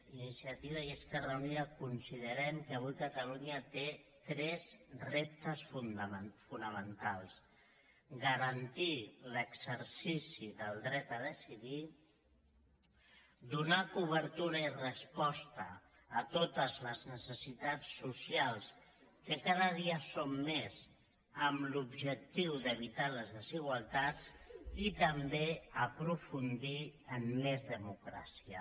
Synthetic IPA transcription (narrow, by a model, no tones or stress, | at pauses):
inisiət̪iβəjeskərəniəkunsiðəɾɛmkəβ̞ujkət̪əluɲət̪et̪ɾɛzrep̚t̪əsfunfunəmənt̪alˠs | ɣəɾənt̪iləksəɾsisiðəlˠd̪ɾɛt̪əðəsiði | d̪unakuβ̞əɾt̪uɾəirəspɔst̪əː | t̪ot̪əzləznəsəsit̪at͡sːusialˠs | kəkaðəðiəsomːez | əmlubʒək̚t̪iwðəβ̞it̪aləzðəziɣ̞walˠt̪at͡sit̪əmbeəpɾufund̪iəmːezðəmukɾa̰siə̰